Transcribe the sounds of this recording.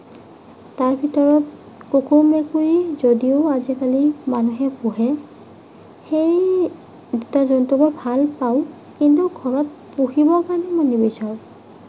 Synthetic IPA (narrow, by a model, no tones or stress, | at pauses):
taɹbʱitɔɹɔt | kokʰomekuɹizodioazikalimanuɦɛpuɦɛ | xej | dutazɔntɔbɔɹbʱalpaʊ̃ | kint̬ukʰɔnɔt̚puxibɔkanimanibɔsaɹ